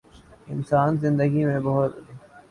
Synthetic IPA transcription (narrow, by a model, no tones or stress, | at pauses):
ɪnsaːnzɪ̃nd̪əɡimẽbɐɦʊt̪ː